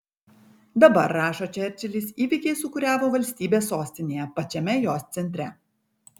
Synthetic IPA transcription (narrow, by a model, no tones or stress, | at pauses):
d̪ɐbɐɾːɑːʃoːt͡ʃʲɛɾʲˑt͡ʃʲɛlʲisʲiːʋʲiˑkʲɛɪsʊkʊɾʲæːʋoːʋɐlʲsʲt̪ʲiːbʲeːsːoːsʲt̪ʲɪnʲeːjɛpɐt͡ʃʲɛmʲɛjoːst̪sʲɛnʲt̪ʲɾʲɛ